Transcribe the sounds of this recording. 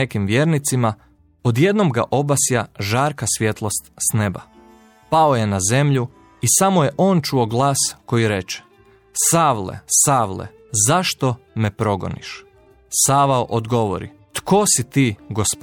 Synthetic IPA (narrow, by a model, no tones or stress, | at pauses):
ekimʋjeːɾnit̪sima | od̪je̞d̪nomɡa̰ʔo̞basijaʒaːɾkasʋje̞t̪lˠo̞st̪sne̞ba̰ | paoje̞naze̞mʎu | isamoje̞ʔo̞ːnt͡ʃuo̞ɡlˠaːsko̞jiɾe̞t͡ʃɛ̥ | saːʋlḛsaːʋlḛ | zaʃt̪o̞ | mepɾo̞ɡo̞̰nḭʃ | saːʋaoʔod̪ɡo̞ʋo̰ɾḭ | t̪ko̞sit̪iːɡosp